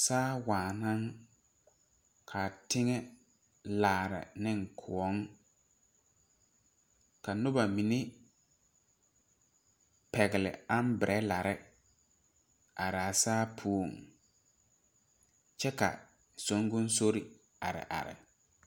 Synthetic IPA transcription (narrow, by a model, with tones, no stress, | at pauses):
saː˦waː˨nã˦ŋ | kʰa˨tɪ˦ŋɛ˦ | laː˨ɾɪ̰˨nɪ˦ŋkʰʊ˨ɔ˨˦ŋ | ka˨nʊ˦ba˨mĩ˨ne˦ | pɛ˨ɣɪ˨lɪ̰˨a˦m˦bɪ˨ɾʔɛ˦la˨ɾɪ˦ | a˨ɾa˨saː˦pʰu˦o˨ŋ | t͡ʃɛ˦ka̰˨ | so˨˦ŋ˦ɡʊ˦n˦so˦ɾi˨ | a̰˨ɾɪ̰˨ʔa̰˨ɾɪ̰˨